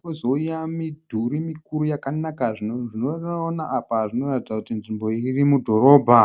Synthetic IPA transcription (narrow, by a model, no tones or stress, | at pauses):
ozoujamidʱuɾimikuɾujakanakaʐinoʐinoonaʔapaʐino̞ratidd͡zakutinʐimbo̞irimudʱo̞ɾo̞ːbʱa